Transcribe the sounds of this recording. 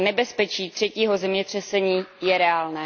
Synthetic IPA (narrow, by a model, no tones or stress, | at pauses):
nɛbɛspɛt͡ʃiːt̪r̝̥ɛciːɦo̞zɛmɲɛt̪r̥ɛsɛɲiːjɛɾɛaːlnɛː